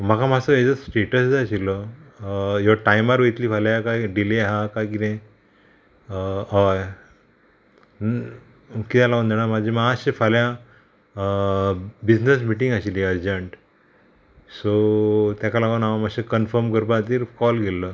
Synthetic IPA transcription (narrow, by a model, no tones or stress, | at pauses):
m̤akʰamasəed͡zəsʈeʈəsd͡zaɕilɔ | jɔʈajmaɾʋojt̪liːfaljakajɖileɦakajkit̪ẽj | ɦɔj | kit̪alaɡond̪eɽ̃amad͡ʑʱimaɕefaljã | bid͡ʑnəs̬miʈĩŋɡaɕiliəɾd͡ʑəɳʈ | sot̪jakalaɡonaʋamaɕekənfəɾmkəɾp̬at̪iːɾkɔlɡelːə